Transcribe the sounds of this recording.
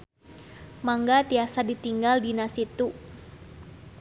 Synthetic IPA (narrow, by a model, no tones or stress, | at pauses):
maŋɡat̪iasadit̪iŋɡaldinasit̪u